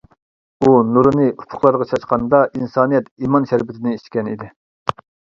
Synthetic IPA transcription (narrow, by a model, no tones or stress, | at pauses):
unuɾɨnɨʔupʰʊ̥χlˠɑɾʁɑt͡ʃʰɑʃqɑnd̪ɑʔinsɑːnijɛt̪imɑnʃɛɾbɪt̪ʰɪnɪiʃkʲɛnḭd̪ɪ